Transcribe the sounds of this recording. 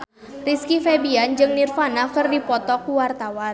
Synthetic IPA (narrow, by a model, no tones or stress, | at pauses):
riskifɛbiand͡ʒɨŋnirfanakərdipɔt̪ɔkuwart̪awan